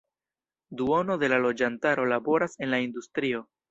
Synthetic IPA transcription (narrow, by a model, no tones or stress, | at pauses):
duo̞no̞de̞lalo̞d͡ʒantaɾo̞labo̞ɾase̞nlaindustɾio̞